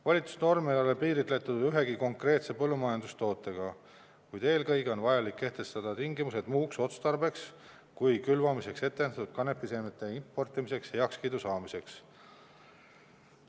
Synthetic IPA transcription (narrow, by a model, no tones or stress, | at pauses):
vɑlʲit̪su̥sno̞rmeo̞lepiːɾit̪le̞t̪ːˑud̪̥yɦe̞ɡ̥iko̞ŋkre̞ːt̪se̞pɤlːumɑjɑnd̪̥ust̪o̞ːt̪ːˑe̞ɡ̥ɑ | kujd̪e̞ːlkɤjɡeo̞nvɑjɑlikːe̞ht̪e̞st̪ɑd̪̥ɑt̪iŋɡimuse̞d̪̥muːkso̞t̪st̪ɑrbe̞ks | kujkylvɑmise̞kse̞t̪ːend̪ɑt̪ːud̪̥̚kɑne̞pːˑisemet̪ːˑe̞impːˑo̞rt̪ˑimise̞kshe̞ɑkskijd̪usɑːmise̞ks